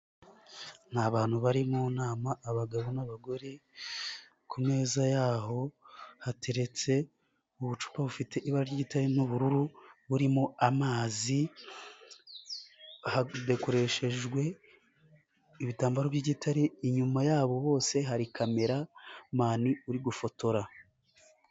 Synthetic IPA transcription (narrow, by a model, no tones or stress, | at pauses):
n̥haβaːn̥huβaɾimonaːmaʔːβaɡaβonaβaɡo̞ɾe | kʰumŋe̞ːzajaːɦo̞hate̞ɾe̞t͡se̞ | uβut͡ʃu̥paβufite̞ʔiβaɾaɾjiɟitaɾinuβuɾuɾuβuɾimoamaːzi | hadeko̞ɾe̞ʃe̞ʒɡwe̞ | iβitaːmbaɾoβɟiɟitʰaɾiːɲumajaːβo̞βo̞ːse̞ɦaɾikʰame̞ɾamaːniuɾiɡufo̞to̞ɾa